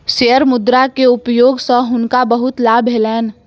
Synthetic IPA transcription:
ʃeːəɾmʊd̪ɾakeʊpjoːɡsɔɦʊnkabəɦʊt̪laːbʱɦelɛːn

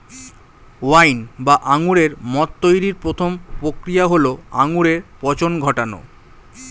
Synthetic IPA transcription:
wajnbaʔaŋuɾeɾmɔt̪ːojɾiɾpɾot̪ʰompɾokɾijaɦoloaŋuɾeɾpɔt͡ɕonɡʱɔʈano̰

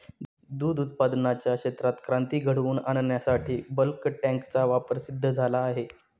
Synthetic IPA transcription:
d̪uːd̪ut̪̚pad̪nat͡ɕjakɕet̪ɾat̪kɾãnt̪iːɡʱəɽuːnannjasaʈiːbəlkʈæ̃ŋkt͡saʋapəɾsid̪ʱːəd͡zʱalaːɦe

